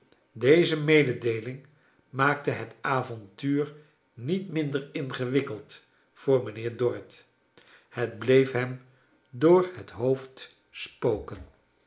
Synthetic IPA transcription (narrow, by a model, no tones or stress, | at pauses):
dejzəmejdədejlɪŋ | maːktəɦətaːvɔntyːɹ | nitmɪndəɹɪnχəʋɪkəlˠt | fʊːɹmənɪːɹdɔɹɪt | hədblejfɦɛm | dʊːɹɦətɦowft | spowkən